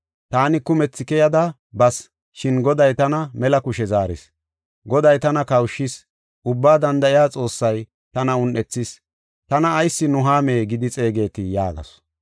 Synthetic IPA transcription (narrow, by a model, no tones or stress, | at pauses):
t̪aːnɪkʊmɛt͡sːɪkɛjɐd̪ɐ | bɐs | ʃɪnɡɔd̪ɐjt̪ɐnɐmɛlɐkʊʃɛzaːɾɪ̰s | ɡɔd̪ɐjt̪ɐnɐkɐwʃːɪs | ʔʊbːaːd̪ɐnd̪ɐɪjaːt͡sʼo̞ːsːɐj | t̪ɐnɐʊnʔɛt͡sːɪs | t̪ɐnɐːjsːɪnʊɦaːmeːɡɪd̪ɪt͡sʼe̞ːɡe̞ːt̪ɪja̰ːɡɐ̰s